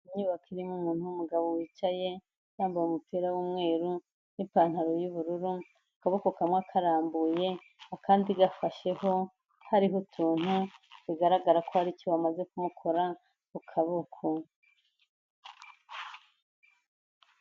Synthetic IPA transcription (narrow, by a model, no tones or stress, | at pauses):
iɲɲuːβakʰiɾimumuːn̥huumuɡaβowit͡ʃaje̞ | naːmbajumupiɾawumŋe̞ːɾu | nipaːn̥haɾojuβuɾuɾu | kaβokokamŋakʰaɾaːmbuje̞ | akʰaːndiɡafaʃe̞ho̞ | haɾiɦotʰuːn̥huβiɡaɾaɡaɾakohaɾicowamaze̞kumukʰo̞ɾa | ukʰaβokʰo